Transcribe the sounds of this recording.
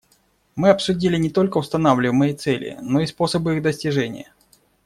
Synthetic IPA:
mɨɐpsʊdʲilʲɪnʲɪt̪o̞lʲkəʊst̪ɐnavlʲɪmɨjət̪sɛlʲɪ̰no̞ispo̞səbɨiɣd̪əsʲtʲɪʐɛnʲɪ̰jə

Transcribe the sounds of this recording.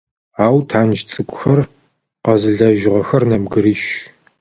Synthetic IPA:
aːwtʰaːnʒt͡sʼɨkʷʼʊxɐr | qɐzɨɮɐʒɪʁɐxɐrnɐmɡɨɾiːʃ

